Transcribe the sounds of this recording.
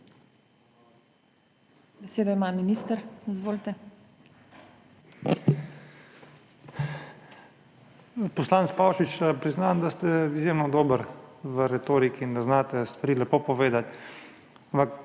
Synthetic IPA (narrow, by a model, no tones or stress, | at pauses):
bɛseːd̪ɔimaːminiːst̪əɾizʋoːlt̪ɛ | pɔslaːnt̪spaːwʃit͡ʃpɾiznand̪ast̪ɛizjeːmnɔd̪oːbəɾʋəɾɛt̪oːɾikiːnd̪aznaːt̪ɛst̪ʋɐɾiːlɛpoːpɔʋeːd̪at̪ | ampak